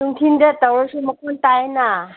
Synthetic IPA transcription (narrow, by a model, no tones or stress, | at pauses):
uŋtʰindɐtawɾasumɐkʰontajna